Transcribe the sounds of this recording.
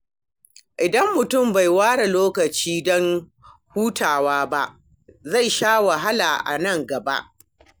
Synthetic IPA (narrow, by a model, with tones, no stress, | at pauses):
ʔɪ˨dɐ˦mːʊ˨tʊ˦˨mba˨jwaː˦ɽa˨loː˦kɐ˨t͡ʃiː˦dɔ˦ŋ | huː˦tʰaː˨waː˦ba˦ʔ | za˦˨jʃaː˦wa˨ɦa˦la˨ʔa̰˨nɐ˦˨ŋɡɐ˨ba̰˦ʔ